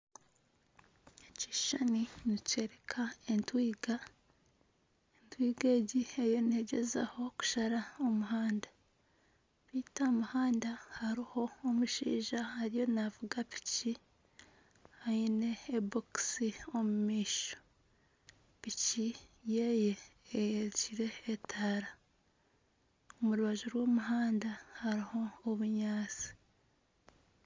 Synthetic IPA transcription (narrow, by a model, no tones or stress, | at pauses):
eci̥ʃaninice̞ɾekʰae̞ntwiːɡa | entwiːɡe̞ːɟiejo̞nhe̞ɟe̞za̰ho̞ku̥ʃaɾaomuɦaːnda | βitamuhaːndahaɾiho̞ːmuʃḭːʒahaɾijo̞navuɡapi̥ci | haine̞ːboksio̞mumiːʃo̥ | picijeje̞ːjeɾciɾe̞ːtʰaɾa | omuɾuβaʒuɾwo̞ːmuɦaːndahaɾiho̞ːβuɲaːt͡si̥